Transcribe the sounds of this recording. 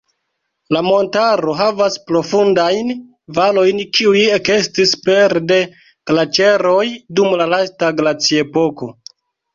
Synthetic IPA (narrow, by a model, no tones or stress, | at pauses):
lamo̞ntaɾo̞ɦavaspɾo̞fundajn | valo̞jnkiujekestispe̞ɾde̞ | klat͡ʃe̞ɾo̞jdumlalastaɡlat͡siepo̞ko̞